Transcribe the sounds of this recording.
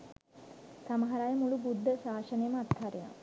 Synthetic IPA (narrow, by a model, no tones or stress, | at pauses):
saməɦɐɾajəmulubud̪ʱːəsaːʃənəjəməat̪haɾena̰